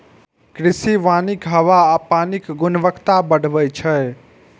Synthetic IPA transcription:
kɾisiʋanikɦəʋaːpanikɡunʋəkt̪abəɽ̤bəjt͡ʃʰə

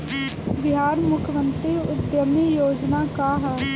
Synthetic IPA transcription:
bɪɦaːɾmʊkʰjəmə̃nt̪ɾiʊd̪jəmijoːd͡ʒnakaɦɛː

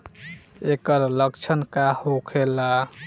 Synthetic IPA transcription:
ekəɾləkt͡ʃʰənkahokʰela

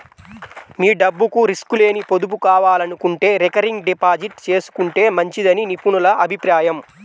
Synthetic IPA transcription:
miːɖɐbːukuɾiskule̞ːnipo̞d̪up̬ukaːʋaːlɐnukuɳʈe̞ːɾekɐɾiŋɡɖipaːd͡ʒiʈt͡ʃe̞ːsu̥kuɳʈe̞ːmɐɲt͡ʃid̪ɐninipunulɐʔɐbʱipɾaːjɐm

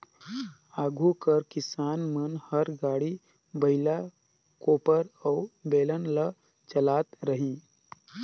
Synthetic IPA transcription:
aːɡʱukəɾkɪsaːnmənhəɾɡaːɽi | bəɦɪla | koːpəɾəʊbeːlənlə | t͡ʃəlaːt̪ɾəɦĩː

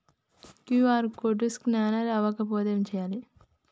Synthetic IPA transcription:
kiʋaːɾkoɖisknaːnɐɾɐʋɐkɐpoːd̪eːmt͡ʃɛjaːli

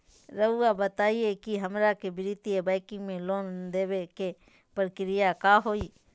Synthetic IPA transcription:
ɾəuabət̪aːiekiɦəmɾakebɪɾɪt̪ɪjebaːɪkɪ̃ŋɡmẽloːnd̪eːʋeke | pəɾkɪɾɪjakaːɦoːiː

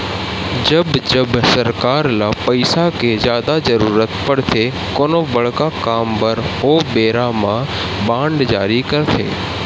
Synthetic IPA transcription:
d͡ʒɐbd͡ʒəbsɐɾkaːɾlaːpɐɪsakezjaːd̪ad͡ʒɐɾuːɾət̪pɐɽt̪ʰe | koːnobɐɭkakaːmbəɾɦoːbeːɾamã | bãːɳɖd͡ʒa̰ːɾikəɾt̪ʰḛː

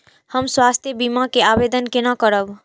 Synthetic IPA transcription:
həmswast̪ʰjəbimakeabed̪ənkenakəɾəb

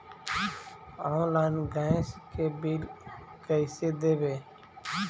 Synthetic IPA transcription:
ɔ̃ːnlaːɪnɡaːɪ̃skeːbiːl | kəɪseːd̪eːbeː

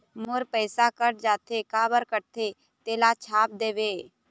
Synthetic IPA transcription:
mʊɾpəːsakəʈ̚d͡ʒaːt̪ʰeːkaːbəɾkəʈ̚t̪ʰeː | t̪eːlaːt͡ʃʰaːp̚d̪eːʋeː

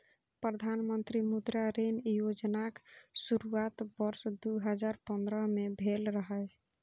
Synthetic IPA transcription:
pɾəd̪ʱanmənt̪ɾimud̪ɾaɾenjod͡ʒnaksuɾuat̪bəɾsd̪uɦəd͡ʒaɾpənd̪ɾəmebʱelɾəɦə

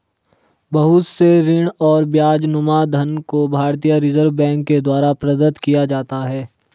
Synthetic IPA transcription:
bɐɦʊt̪seɾɪɽ̃ɔːɾbjaːd͡ʒnʊmad̪ʱənkobʱaːɾt̪ijaɾɪzəɾʋbɛ̃ːŋkːed̪waːɾapɾəd̪ət̪kijad͡ʒaːt̪aɦɛː

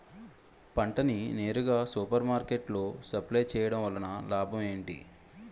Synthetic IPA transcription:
pɐɳʈɐnine̞ːɾuɡaːsuːpɐɾmaːɾkeʈlo̞ːsɐplɐjt͡ʃɛːjɐɽɐmʋɐlɐnɐlaːbʱɐme̞ːɳʈḭ

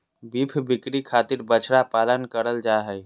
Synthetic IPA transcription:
bipʰbɪkɾikʰaːt̪iɾbət͡ʃʰɽapaːlənkəɾəld͡ʒaɦɛj

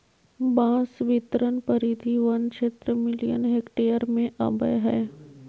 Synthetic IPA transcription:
bãːsʋɪt̪ɾənpəɾid̪ʱiʋɐnt͡ʃet̪ɾəmɪlijə̰nɦeːkʈeːəɾmẽʔɐ̰bə̰jɦɛː

